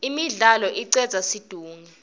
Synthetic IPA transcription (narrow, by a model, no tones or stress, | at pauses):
imiɮalɔʔiǀɛdz̥ʱasid̥ʱuːŋɛ